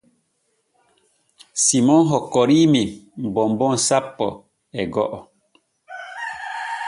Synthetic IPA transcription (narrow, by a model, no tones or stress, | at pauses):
simɔnɦɔkɔɾimim̩bɔmbɔn̩sapːɔ̰ | ɛɡɔ̰ʔɔ